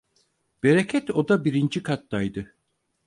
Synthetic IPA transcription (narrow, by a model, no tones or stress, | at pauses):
b̥eɾecʰɛt̪o̞d̪abiɾind͡ʒikʰat̪d̪ajd̪ɯ